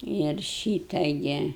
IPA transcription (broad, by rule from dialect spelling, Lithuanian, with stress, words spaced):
ɪr ˈʃʲiːtɐ ˈɡʲɪ